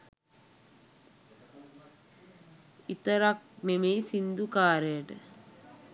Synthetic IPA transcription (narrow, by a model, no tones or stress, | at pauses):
it̪əɾak̚nemeːsind̪ukaːɾəjəʈə